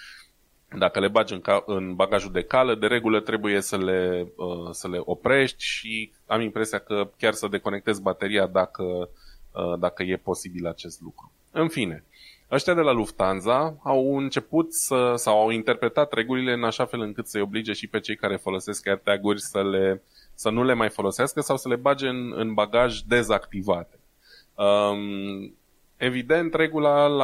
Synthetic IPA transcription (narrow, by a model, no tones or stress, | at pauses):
d̪akəle̞bad͡ʒɨŋkaɨnbaɡaʒuld̪e̞kaləd̪e̞ɾe̞ɡulət̪ɾe̞buje̞səle̞əsəle̞ʔo̞pɾe̞ʃt̪ʲʃi | amimpɾe̞siakəkʲarsəd̪e̞ko̞ne̞k̚t̪e̞zbat̪e̞ɾiad̪akəəd̪akəje̞po̞sibilat͡ʃe̞st̪lukɾu | ɨnfine̞ | əʃt̪ijad̪e̞laluft̪anzaːwɨnt͡ʃe̞put̪səsawawint̪e̞rpɾe̞t̪at̪ɾe̞ɡulile̞ɨnaʃafe̞lɨŋkɨt̪səjo̞blid͡ʒe̞ʃipe̞t͡ʃe̞jkaɾe̞fo̞lo̞se̞sk̚ːʲart̪aɡurʲsəle̞ | sənule̞majfo̞lo̞seaskəsawsəle̞bad͡ʒe̞ɨnɨ̰nbaɡaʒʲd̪e̞zakt̪ivat̪e̞̥ | ə | e̞vid̪e̞nt̪ɾe̞ɡulal